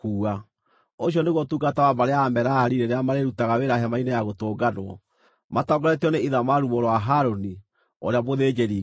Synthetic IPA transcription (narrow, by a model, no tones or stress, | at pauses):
kuːa | oɕ̬iɔneɣwotuːɡatawabaɾeaːmɛɾaaɾiɾeɾeamaɾeɾutaɣaweɾaɦɛmainejaɣotoːɡadwɔ | matɔɡɔɾɛtiɔneiðamaɾumoɾowaɦaɾoni | ɔ̰ɾeamoðeːd͡ʒeɾi